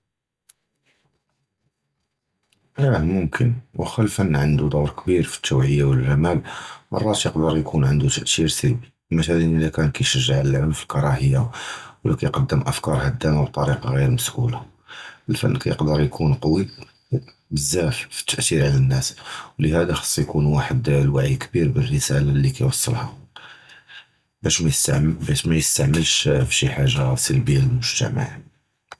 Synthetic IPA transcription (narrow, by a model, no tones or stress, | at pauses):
æhmʊmkʰənwəxælfənːʕənd̪ud̪ˤuwɾˤkbiɾfi̥t̪ːuwʕəjːawəlʒːæmæbmʔɑ̰rˤːɑt̪jəqd̪əɾˤjkʰunʕənd̪ut̪əʔt̪iɾsəlbi | mæʃælnəlækænkæjʃəʒːəʕləlʕəmfilkɑɾˤɑhəjːawlʔækæjqɑd̪ːəmʔəfkɑɾˤhæd̪ːæmab̚t̪ˤɑɾiqɑɣiɾməsʔṵla | əlfæ̰nːkæjəqd̪əɾˤjkʰunqɑwi | bəzːæffi̥t̪ːəʔt̪iɾʕalænːæswləhæd̪axɑ̥sˤːjkunwaħəd̪lwaʕikbiɾbərːəsælalːikæjwɑsˤːə̰lhɑ | bæʃmæjəst̪ʕbæʃmæjəst̪aʕməlʃfʃiħaʒːasəlbijːaləlmʊʒt̪æ̰ma̰ʕ